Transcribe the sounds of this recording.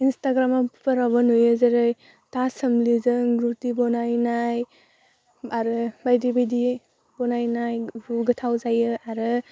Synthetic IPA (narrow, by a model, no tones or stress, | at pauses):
instaɡɾamappʰəɾabɔnujɯzaɾɯj | tasəmlizɯŋɡɾutibɔnajnaj | aɾɯbajdibajdi | bɔnajnajbuɡɯtʰawzajɯaɾɯ